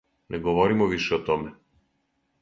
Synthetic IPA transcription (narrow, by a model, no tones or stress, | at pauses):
nʔɛɡɔvɔɾimɔviʃɛɔt̪ɔmɛ